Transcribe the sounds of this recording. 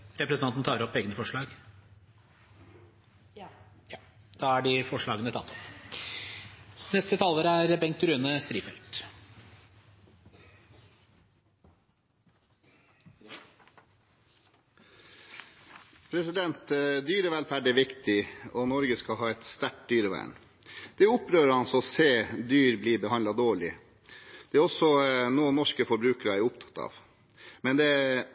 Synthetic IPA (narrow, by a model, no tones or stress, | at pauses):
ɾɛpʰɾɛsəɑnt̪nt̪ɑːɾɔpːeːɡənəfɔʂɭɑːɡ | jɑ | d̪̥ɑːæɖɪfɔʂɭɑːɡənət̪ʰɑt̪ʰːɔp | nɛst̪ət̪ʰɑlːəɾəæɾbɛŋk̚t̪ʉɾʉːnəst̪ɾiːfɛ̰lt̪ | pʰɾɛsɪd̪ɛnt̪d̪yːɾəʋælfæːɖɛʋɪkt̪ɪɔnɔɾɡəskɑɦɑːɛt̪st̪æʈ̚d̪yːɾəʋæ̰ːɳ | d̪̥ɛʊpɾøːɾəɾɑnsɔɔseːd̪yːɾbliːbəhɑnɑd̪oːɭɪ | d̪̥ɛæːɾɔsɔnoːənɔʂkəfɔɾbɾʉːkəɾəæɾʊpt̪ʰɑ̥t̪ɑ̰ːʋ | mɛnd̪ɛ